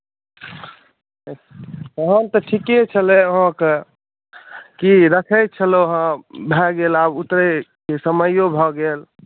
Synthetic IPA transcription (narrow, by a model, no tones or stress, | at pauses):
əɦə̃nt̪əʈʰiket͡ʃʰəleəɦə̃ke | kiɾəkʰəjt̪̚t͡ʃʰəloɦə̃bʱɛɡelabut̪ɾekesəməjobʱɔɡel